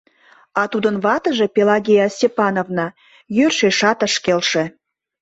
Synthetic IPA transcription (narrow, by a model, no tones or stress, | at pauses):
ɑt̪ud̪ənβɑt̪ə̆ʒe̽pʲelɑɣʲejɑsʲepɑnovnɑ | jørʃeʃɑt̪əʃkelʃe